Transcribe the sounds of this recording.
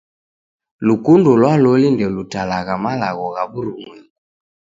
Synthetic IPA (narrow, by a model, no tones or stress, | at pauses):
lukundɔlwalɔlindɛlutalaɣamalaɣɔɣaβuɾuŋwɛŋu